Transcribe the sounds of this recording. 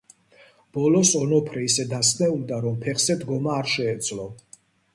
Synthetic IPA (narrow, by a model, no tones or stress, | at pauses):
b̥ɔlɔsɔnɔpʰɾɛisɛd̪asnɛud̪aɾɔmpʰɛχsɛd̪ɡɔmaːɾʃɛːd̪sʼlɔ